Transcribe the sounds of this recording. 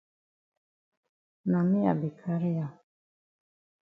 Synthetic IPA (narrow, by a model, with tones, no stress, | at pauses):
na˨mĩ˦a̰˨bi˨kʰa˦ɾi˦ja˨